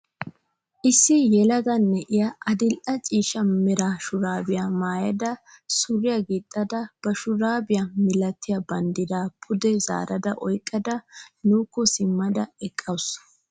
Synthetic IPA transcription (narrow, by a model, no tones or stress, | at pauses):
ʔɪsːɪjɛlɐɡɐnːɛʔɪjɐʔɐd̪ɪlʔɐt͡ʃʼiːʃɐmɪɾaʃʊɾaːbɪjamaːjɐd̪ɐsʊɾɪjɐɡit̪ʼːɐd̪ɐb̥ɐʃʊɾaːbɪjamɪlɐt̪ʰːɪjɐbɐnd̪ɪd̪aːpʰʊd̪ɛza̰ːɾɐd̪ɐʔɔjkʼːɐd̪ɐnuːkːɔsɪmːɐd̪ɐɛkʼːɐws